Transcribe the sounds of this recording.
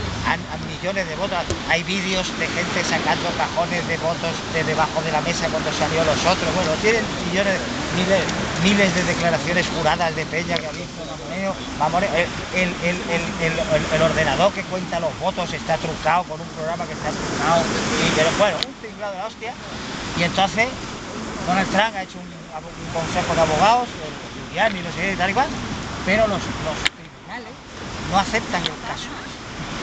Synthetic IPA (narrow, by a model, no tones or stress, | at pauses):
a̰naŋmiʎo̞ne̞zðe̞βot̪oajβiðjo̞zd̪e̞xe̞nt̪e̞sakand̪o̞kaxo̞ne̞zðe̞βo̞t̪o̞zd̪ezðe̞β̞axoðe̞lame̞sakwand̪o̞saljo̞lo̞so̞t̪ɾoβwe̞not̪je̞nẽ̞ŋmiʎo̞ne | milesmile̞zðe̞ðe̞klaɾaθjo̞ne̞sxuɾaðazðe̞pe̞ɲakeaβjit̪oβamoneo | bamoneoeeleleleleelo̞ɾðe̞naðo̞ɾke̞kwe̞nt̪alo̞zβo̞t̪o̞se̞st̪at̪ɾukawko̞numpɾo̞ɣɾamake̞st̪at̪ɾukaoikeɾoɡwe̞nouŋt̪iŋlawðelaost̪ja | ie̞nt̪o̞n̟θe̞s | d̪onelt̪ɾaŋaet͡ʃouŋ | aβuŋko̞nse̞xoðeaβ̞o̞ɣ̞aoseleuðjaninosekeit̪alikwalpe̞ɾo̞loslo̞sk̪ɾiβunale̞s | no̞aθe̞p̚t̪aŋe̞lkasoas